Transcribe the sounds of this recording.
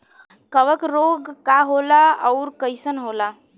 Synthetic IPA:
kəbəkɾoɡkaɦolaəʊɾkəjsənɦola

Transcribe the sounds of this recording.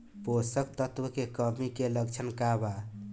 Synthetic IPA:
posək̚t̪ət̪wəkekəmikelək̚t͡ʃʰənkaba

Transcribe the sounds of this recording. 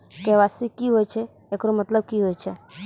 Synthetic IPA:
keʋasikiɦoːjt͡ʃʰe | ekɾomət̪ləb̚kiɦoːjt͡ʃʰe

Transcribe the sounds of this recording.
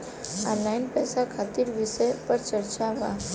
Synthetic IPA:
a̰lainpɛsakʰat̪iɾʋiʃəjpəɾt͡ʃəɾt͡ʃaʋã̰

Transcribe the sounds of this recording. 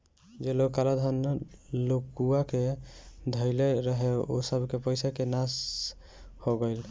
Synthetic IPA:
d͡ʒeloɡ̚kalad̪ʱanlokuaked̪ʱəɪleɾəɦeo̰səbʱkepəjsakenas | hoɡəɪl

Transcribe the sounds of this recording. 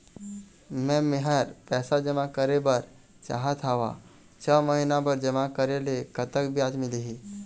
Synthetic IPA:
mɛ̃mɪɦəɾpɛːsad͡ʒəmakəɾebəɾ | t͡ʃa̰ːɦat̪ʰaːʋa̰ | t͡ʃʰəməɦinãbəɾd͡ʒəmakəɾelekət̪əkbʱiaːd͡ʒmɪliɦi

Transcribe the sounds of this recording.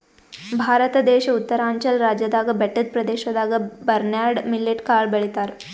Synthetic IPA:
bʱaɾət̪əd̪eɕut̪ːəɾaɲt͡ɕəlɾad͡ʑəd̪aɡəbɛʈət̪̚pɾəd̪eɕəd̪aɡəbəɾnjaɽmilːeʈkaɭbəɭit̪aɾ

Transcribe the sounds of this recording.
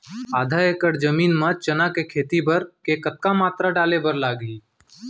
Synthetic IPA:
aːd̪ʱaekəʈd͡ʒəmiːnmət͡ʃənakekʰeːt̪ibəɾkekət̪̚kamaːt̪ɾaɖaːlebəɾlaːɡiː

